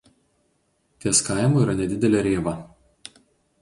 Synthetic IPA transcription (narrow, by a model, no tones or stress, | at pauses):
t̪ʲiɛskɑˑɪmoːiːɾɐnʲɛd̪ʲɪd̪ʲɛlʲɛɾʲeːʋɐ